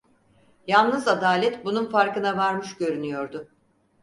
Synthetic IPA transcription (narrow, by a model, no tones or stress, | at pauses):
jalˠnɯzad̪aːlʲɛt̪bununfaɾkɯnavaɾmɯʃɟø̞ɾynyjo̞ɾd̪ʊ